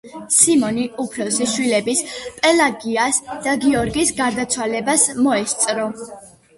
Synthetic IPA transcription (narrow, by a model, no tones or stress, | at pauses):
simɔniupʰɾɔsiʃwilɛbispʼɛlaɡiasd̪̥aɡiɔɾɡisɡaɾd̪at̪sʰwalɛbasmɔɛst̪sʼɾɔ